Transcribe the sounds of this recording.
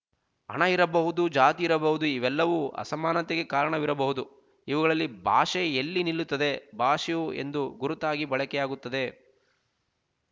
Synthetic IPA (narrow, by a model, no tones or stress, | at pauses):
ɐ̰ɳɐiɾɐbɐɦud̪ud͡ʒaːt̪iːɾɐbɐɦud̪uiʋɛlːɐʋuːʔɐ̰sɐmaːnɐt̪eɡe̞kaːɾɐɳɐʋiɾɐbɐɦud̪u | iʋɐɡɐɭɐlːibʱaːʂeelːinilːut̪ːɐd̪e̞bʱaːʂejue̞̰nd̪uɡuɾut̪aːɡibɐɭɐkɛjaːɡut̪ːɐd̪e̞